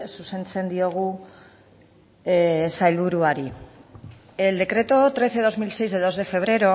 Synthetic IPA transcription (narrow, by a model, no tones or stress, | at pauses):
suse̞nt͡se̞nd̪io̞ɣ̞u | sajlβuɾuaɾi | eld̪e̞kɾe̞t̪o̞t̪ɾe̞seðozmilse̞jzðeðo̞zðe̞fe̞β̞ɾe̞ɾo̞